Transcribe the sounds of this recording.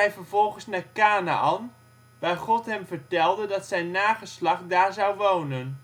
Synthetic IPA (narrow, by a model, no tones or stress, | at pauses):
ɛjvəɹvɔlˠχənsnaːɹkaːna̰ʔɑn | ʋaːχɔtɦɛmvəɹtɛlˠdədɑtsɛjnːaːχəslɑχdaːɹzɑwʋownən